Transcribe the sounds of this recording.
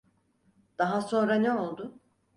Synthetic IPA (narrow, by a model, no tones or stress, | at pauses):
d̪̥aɦaso̞nɾanɛo̞lˠd̪ʊ